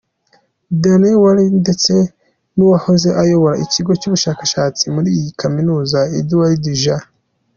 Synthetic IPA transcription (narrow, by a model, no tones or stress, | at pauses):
danewaɾinde̞t͡se̞ | nuwaho̞ze̞ʔajo̞βo̞ɾaʔiciɡo̞cuβuʃaːkḁʃaːt͡simuɾiːjikʰaminuːzaiduwaɾidiʒa